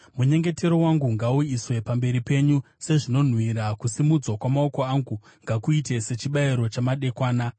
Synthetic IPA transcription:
muɲe̞ŋɡe̞te̞ɾowaŋɡuŋɡauiswe̞pambe̞ɾipe̞ɲu | se̞ʐino̞n̤wiɾakusimud͡zwakwamao̞ko̞aŋɡu | ŋɡakuite̞se̞t͡ʃiɓaiɾo̞t͡ʃamaɗe̞kwaːna

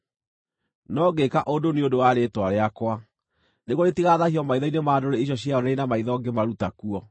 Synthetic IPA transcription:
nɔɡekaʔodoneondowaɾetwaɾeakwa | neɣoɾetiɣaːðahijɔmaiðɔinemaːdoɾeiɕ̬ɔɕjaɔnainamaiðɔɡemaɾutakuɔ

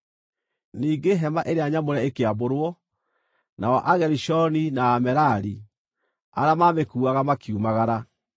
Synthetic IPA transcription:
niːɡeɦɛmaʔeɾeaɲamoɾɛekeaboɾwɔ | na̰wɔʔaɣɛɾiʃɔninaːmɛɾaɾi | a̰ɾamaːmekuːaɣamakiumaɣaɾa

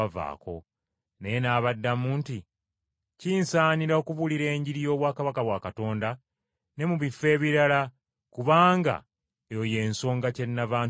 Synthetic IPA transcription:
ava̰ːko̞̰ | nejenaːβadːamuːnti | ciːnsaːniɾaokuβuliɾe̞ːɲɟiɾijo̞ːβwaːkaβakaβwaːkato̞ːnda | ne̞muβifːe̞ːβiɾala | kuβaːŋɡa̰ | joje̞ːnso̞ːŋɡace̞nːavaːn

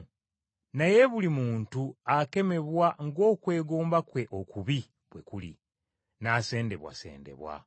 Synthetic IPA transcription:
naje̞βulimuːntuake̞me̞βwaŋɡo̞ːkwe̞ːɡoːmbakwe̞ʔokuβi | βwekulḭ | nase̞ːnde̞βwa̰sḛːnde̞̰βwa̰

